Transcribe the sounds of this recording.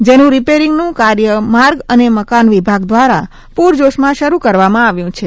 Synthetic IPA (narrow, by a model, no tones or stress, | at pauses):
d͡ʒenũɾipeɾɪŋɡnũkaɾjəmaɾɡəneməkanʋibʱaɡd̪ʋaɾa | puɾd͡ʒoʃmãʃəɾukəɾʋamãaʋjũt͡ʃʰe